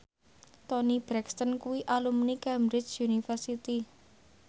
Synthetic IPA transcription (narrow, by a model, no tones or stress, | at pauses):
t̪ɔnib̥ɾɛkst̪ənkuwiʔalumnikɛmbɾɪt͡ʃjunifərsit̪i